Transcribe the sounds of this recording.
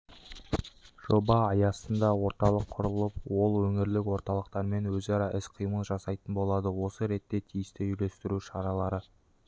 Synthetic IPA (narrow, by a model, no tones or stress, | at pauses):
ʒ̥o̞bɑːjɑsənd̪ɑwo̞ɾt̪ɑlˠəqʰːʊɾəlˠəp̚wo̞lˠwɵŋɪɾlɪkwo̞ɾt̪ɑlˠəq̚t̪ɑɾme̞nwɵzɑɾɑʔɪsqʰijmənʒɑsɑjt̪ənbo̞lˠɑd̪əwo̞səɾe̞t̪ːe̞t̪ʰijɪst̪ɪʒʏle̞st̪ɪɾuʃɑɾɑlˠɑɾə